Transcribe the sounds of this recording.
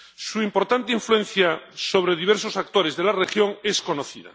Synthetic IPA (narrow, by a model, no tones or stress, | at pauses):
suimpo̞ɾt̪ant̪eiɱfluẽn̟θjaso̞β̞ɾe̞ð̞iβeɾsosak̚t̪oɾe̞zðe̞larexjo̞ŋesko̞noθiða̰